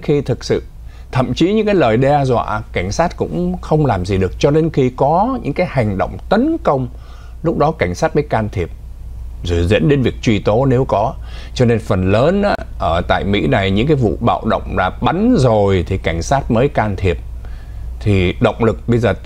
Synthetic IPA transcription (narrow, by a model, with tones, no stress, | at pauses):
xi˧t̪ʰɨ˨˩k̚sɨ̰˧˨ | t̪ʰə̰˧˨mt͡ɕi˨˦ɲɨ̰˧˥ŋkaː˨˦jləː˨˩jɗɛ˧zwa̰ː˧˨ka˧˩jŋ̟saː˦˥t̚kʊ̰˧˥ŋ͡mxə˧wŋ͡mlaː˨˩mzi˨˩ɗɨ˨˩ək̚t͡ɕɔ˧ɗe˧nxi˧kɔ˨˦ɲɨ̰˧˥ŋkaː˨˦jha˨˩jŋ̟ɗə̰˧˨wŋ͡mt̪ə˨˦nkə˧wŋ͡m | lʊ˦˥k͡p̚ɗɔ˨˦ka˧˩jŋ̟saː˦˥t̚məː˨˦jkaː˧nt̪ʰi˨˩əp̚ | zɨ̰˧˨˩zḭ˧˥ənɗe˨˦nvi˨˩ək̚t͡ɕwi˧t̪o˨˦ne˨˦wkɔ˨˦ | t͡ɕɔ˧ne˧nfə˨˩nləː˨˦nʔaː˧˦ʔəː˧˩t̪a̰ː˧˨jmḭ˧˥na˨˩jɲɨ̰˧˥ŋkaː˨˦jvṵ˧˨ɓa̰ː˧˨wɗə̰˧˨wŋ͡mlaː˨˩ɓa˨˦nzo˨˩jt̪ʰi˨˩ka˧˩ŋ̟saː˦˥t̚məː˨˦jkaː˧nt̪ʰi˨˩əp̚ | t̪ʰi˨˩ɗə̰˧˨wŋ͡mlɨ˨˩k̚ɓə˧jzəː˨˩